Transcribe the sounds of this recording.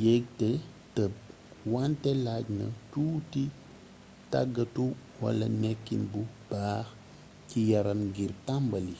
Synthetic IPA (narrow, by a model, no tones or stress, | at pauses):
jɛɡ̚tɛtəp̚ | wantɛlaɟnɐ̰tuːti | ta̰ɡːɐtuwɐ̰lːɐ̰nɛkːinbub̥aːx | cijɐɾɐmɡirtambɐli